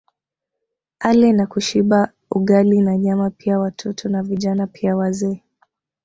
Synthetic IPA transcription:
alɛnakuʃiɓa | uɠalinaɲamapiawatʰɔtʰɔnaviʄanapʰiawazɛː

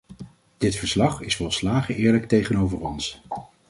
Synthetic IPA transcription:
d̥ɪtfəɹslɑχɪsfɔlˠslaːχəɪːɹlək̚tejχənowvərɔns

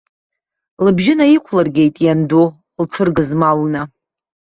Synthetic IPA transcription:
lɨbʒɪnajikʷʰlarɡʲe̞jtʼjando | lʈ͡ʂʰɨrɡɨzmalna

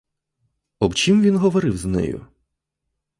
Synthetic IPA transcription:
ɔbt͡ʃimʋʲinɦɔʋɔɾɪwznɛ̰jʊ̰

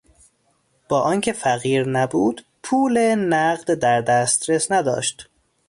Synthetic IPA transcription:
b̥ɒːʔɒːncʰefæɣiːɾnæbuːd̪̥ | pʰuːlenæɢd̪d̪æɾd̪æst̪ɾesnæd̪ɒ̰ːʃt̪

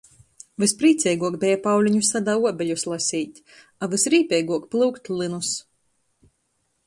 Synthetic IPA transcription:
vɨspɾiːt̪sʲɛjɡuɔkbʲɛjapawlʲiɲusad̪auɔbʲɛʎʲuslˠasʲiːt̪ʲ | avɨsɾiːpʲɛjɡuɔkplˠɨwkt̪ʲlʲˠɨnus

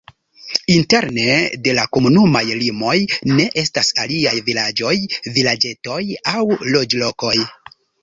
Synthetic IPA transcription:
inte̞ɾne̞de̞lako̞munumajlimo̞jne̞ʔe̞stasaliajvilad͡ʒo̞jvilad͡ʒe̞to̞jawlo̞d͡ʒlo̞ko̞j

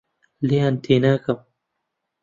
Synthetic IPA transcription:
leant̪eːnaːkam

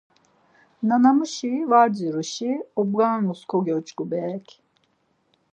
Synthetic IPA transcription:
nanamuʃivad͡ʒiɾuʃiɔbɡanuskʰɔɡʲɔt͡ʃɡubɛkʲ

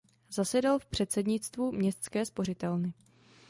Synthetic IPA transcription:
zasɛdalfpr̝̥ɛt̪sɛdɲɪt͡st̪vumɲɛst̪skɛːspo̞rɪt̪ɛlnɪ

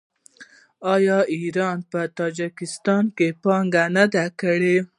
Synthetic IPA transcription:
ɑjɑiɾɑnpət̪ɑd͡ʒɪkɪst̪ɑnkepɑŋɡanad̪akəɽe

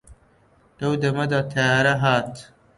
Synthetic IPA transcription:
d̪̥ɐwd̪ɐmɐd̪ɑːt̪ʰɐjɑːɾɐɦaːt̪

